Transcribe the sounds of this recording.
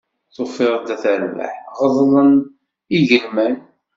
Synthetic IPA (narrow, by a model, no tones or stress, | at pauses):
θofɪɾˤəd̪æθəɾvə̰ħʁəðˤlˤən | iʝəlmæn